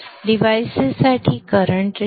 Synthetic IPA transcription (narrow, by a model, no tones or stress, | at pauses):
ɖiʋajssaʈʰiːkəɾəɳʈ